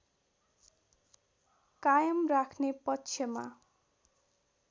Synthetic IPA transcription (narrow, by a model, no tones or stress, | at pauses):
kajʌmrakʰnepʌtːsʰjʌma̰